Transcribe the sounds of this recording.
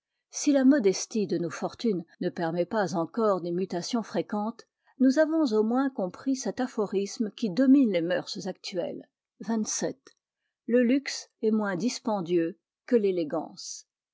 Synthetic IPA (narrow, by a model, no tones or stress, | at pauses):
silamɔd̪ɛst̪id̪ənofɔʁt̪ynnəpɛʁmɛpazɑ̃kɔʁd̪emyt̪asjɔ̃fχekɑ̃t̪ | nuzavɔ̃zomwɛ̃kɔ̃pχisɛt̪afɔʁismkʲid̪ɔminlemœʁszak̚t̪ʰɥɛ̰l | vɛ̃t̪sɛt̪ | ləlyksɛmwɛ̃d̪ispɑ̃d̪jø | kəleleɡɑ̰̃ːs